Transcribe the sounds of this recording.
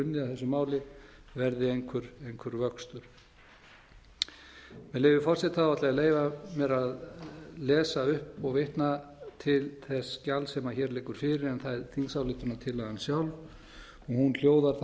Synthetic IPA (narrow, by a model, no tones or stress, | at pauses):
ʏnːɪaθɛsʏmaːwlɪ | vɛɾðɪejŋkʰvʏɾejŋkʰvʏɾvœkst̪ʏɾ̥ | mɛðleːjvɪfɔrsɛt̪ːaðat̪lɛɣaleːjvamɛɾaðlɛːsaʏhpɔɣvɪht̪na | t̪ʰɪlθɛsːcalsɛːmaçɛːɾlɪːkʏɾ̥fɪɾɪɾɛnθaðɛɾθinsawlɪht̪ʏnat̪ʰɪlːaðansjawlv | ɔɣhunl̥joːwðaɾ̥θ